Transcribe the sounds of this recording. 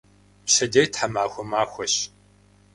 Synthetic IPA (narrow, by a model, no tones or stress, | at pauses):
pɕɐdejtħamaːxʷɔmaːxʷɔɕ